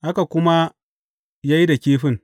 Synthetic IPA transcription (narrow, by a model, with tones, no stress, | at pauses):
ʔa˦ka˨kʷʊ˦ma˦ | jaː˦ji˦da˨kʲeː˦ɸɪ˦ŋ